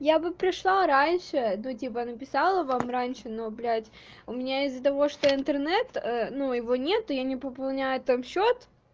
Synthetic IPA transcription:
jabɨpɾʲɪʂlˠaɾanʲʂɨnutʲipənəpʲɪsɑlˠəvamranʲʂɨnoblʲætʲ | ʊmʲɪnʲaɪzːət̪ɐvo̞ʂt̪oɪnt̪ɨrnɛt̪ənujɪvonʲe̞t̪ːʊjanʲɪpəpɐlˠnʲæjʊt̪amɕːot̪

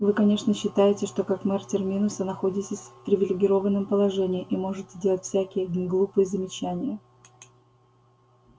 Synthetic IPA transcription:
vɨkɐnʲe̞ʂnəɕːɪt̪ajɪtʲɪʂt̪o̞kakmɛrtʲɪrmʲinʊsənɐxo̞dʲɪtʲɪsʲfpɾʲɪvʲɪlʲɪɡʲɪɾo̞vənːəmpəlˠɐʐɛnʲɪɪʔimo̞ʐɨt̪ʲzʲdʲe̞lˠətʲfʲsʲækʲɪjəɡlˠupɨjəzəmʲɪt͡ɕænʲɪjə

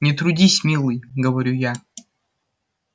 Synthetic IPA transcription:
nʲɪt̪ɾʊdʲisʲmʲilˠɨjɡəvɐɾʲuja

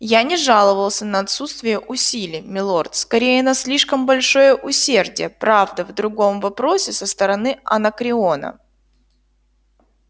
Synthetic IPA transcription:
janʲɪʐalˠəvəlˠsʲənəɐt̪sut̪st̪vʲɪjəʔʊsʲilʲɪjmʲɪlˠo̞rt̪skɐɾʲejənɐsʲlʲiʂkəmbɐlʲʂo̞jəʔʊsʲe̞rdʲɪ̰jəpɾavd̪əvd̪ɾʊɡo̞mvɐpɾo̞sʲɪsəst̪əɾɐnɨɐ̰nəkɾʲɪonə̰

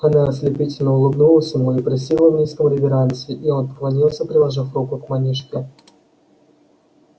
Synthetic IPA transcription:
ɐnaəsʲlʲɪpʲitʲɪlʲnəʊlˠɨbnulˠəsʲəmuɪpɾʲɪs̬ʲivlˠəvnʲiskəmlʲɪvʲɪɾanʲsʲɨɪʔio̞npə̥kvˠɐnʲilˠsʲəpɾʲɪlˠɐʐɨfrukʊkmɐnʲiʂkʲɪ

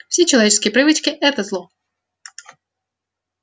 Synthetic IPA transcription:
fsʲet͡ɕɪlˠɐvʲet͡ɕɪ̥skʲɪjəpɾɨvɨt͡ɕkʲɪʔɛt̪əzlˠɔ

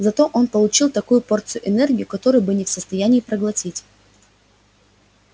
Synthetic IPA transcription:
zɐt̪o̞ʔo̞npəlˠʊt͡ɕilˠt̪ɐkujʊpo̞rt̪sɨjʊʔɪnɛrɡʲɪʊkɐt̪o̞ɾɨjbɨnʲɪfsəst̪ɐjænʲɪːpɾəɡlˠɐtʲitʲ

